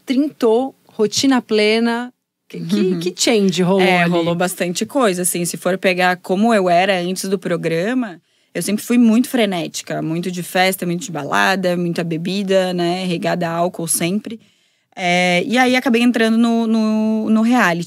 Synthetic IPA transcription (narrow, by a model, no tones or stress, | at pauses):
t̪ɾĩt̪o | hot͡ʃĩnɐplẽnɐ | ɪkɪkɪt͡ʃẽj̃d͡ʒɪɦoloɦolobast̪ɐ̃nt͡ʃɪkojzɐasĩsɪfoɾpeɡaɾkõmʊewɛɾɐɐ̃nt͡ʃɪzd̪ʊpɾoɡɾɐ̃mɐ | ewsẽmpɾɪfujmũj̃t̪ʊ̥fɾenɛt͡ʃɪ̥kɐmũj̃t̪ʊd͡ʒɪfɛst̪ɐmũj̃t̪ʊd͡ʒɪba̰la̰d̪ɐmũj̃t̪ɐbebid̪ɐnɛɦeɡad̪ɐawkowsẽmpɾɪ | ɛɪaiakabejẽnt̪ɾɐ̃nd̪ʊnʊnʊnʊɦeali